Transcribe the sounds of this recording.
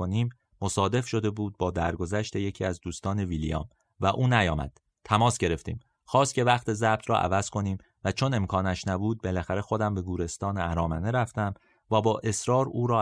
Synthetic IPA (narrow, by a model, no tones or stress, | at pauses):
oniːmː | o̞sɒːd̪e̞fʃo̞d̪e̞buːd̪̚bɒːd̪æɾɡo̞zæʃt̪e̞jecʰiːæzd̪uːst̪ɒːne̞vilḭjɒ̰ːm | væʔuːnæjɒːmæ̰d̪̥ | t̪ʰæmɒːsɟe̞ɾe̞ft̪ʰḭːm | xɒːst̪cʰʲe̞væχt̪ʰe̞zæb̥̚t̪ʰɾɒ̰ːʔæ̰væz̥kʰo̞niːm | væt͡ʃʰo̞ne̞mkʰɒːnæʃnæbuːd̪̚be̞læxæɾe̞xo̞d̪æmbe̞ɡuːɾe̞st̪ɒːneæɾɒːmæneɾæft̪æm | væbɒːʔe̞sɾɒːɾuːɾɒː